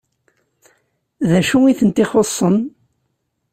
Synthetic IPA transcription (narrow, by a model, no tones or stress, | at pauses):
ðæʃuiθənt̪iχosˤːən